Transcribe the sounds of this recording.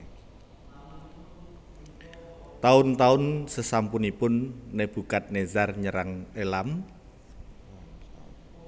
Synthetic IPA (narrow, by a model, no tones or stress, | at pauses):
t̪aʊnt̪aʊnsəsampunipʊnːeb̥ukat̪̚nezarɲəɾaŋelam